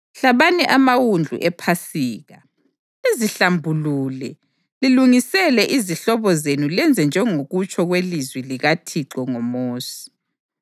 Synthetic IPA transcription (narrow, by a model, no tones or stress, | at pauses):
ɬaβanɛʔamawund͡ɮʱṵʔɛpʰasiːɣa | iziɬambʱuluːlɛ | liluŋisɛlɛʔiziɬɔβɔzenulɛnd͡zʱɛnd͡ʒʱɛŋoɣut͡ʃʰʼɔɣwelizwiliɣatʰiǃɔŋɔmoːsi̥